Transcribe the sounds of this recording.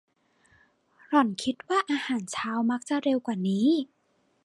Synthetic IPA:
ɾɔ˨˩˦nkʰi˦˥t̪̚waː˥˩ʔaː˧haː˩˦nt͡ɕʰaː˦˥wma˦˥k̚t͡ɕa˨˩ɾe˧wkwaː˨˩niː˦˥

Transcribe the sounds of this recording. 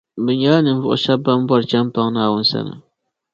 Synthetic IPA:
bɨ˨ɲa˦la˦nɨ˨n˦vʊ̰˦ʔʊ̰˨ʃa˦bba˦mbɔ˦ɾt͡ʃa˦mpa˦ŋnaː˦˨wʊ˦n˦sa̰˦˨nɨ̰˨

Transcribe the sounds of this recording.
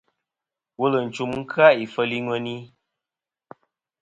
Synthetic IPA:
wo˦lə˨n̩˨t͡ʃu˨mŋ̩˦kʰa˦i˨fə˦li˦ŋwə˦ni˦

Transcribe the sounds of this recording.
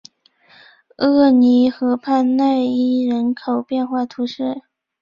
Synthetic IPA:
ɤ˥˩ni˧˥xɤ˧˥pʰa˥˧nna˥˧ɪi˥˩ɻə˧˥nkʰo˨˩ʊpjɛ˥˧nxwa˥˩t̪ʰu˧˥ʂɻ̩˥˩

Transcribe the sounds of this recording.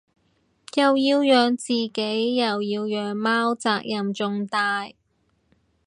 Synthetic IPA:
jɐ˨wjiː˧wjœː˨ŋt͡siː˨ke˨˥jːɐ˨wjiː˧wjœː˨ŋmaː˥wt͡saː˧k̚jɐ˨mt͡ʃʊ˧ŋt̪aː˧j

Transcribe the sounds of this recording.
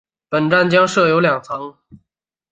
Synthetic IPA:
pə˨˩nʈ͡ʂa˥˩nt͡ɕjɑ˥ŋʂɤ˥˩jo˧˥ʊljɑ˨˩ŋt͡sʰɑ˧˥ŋ

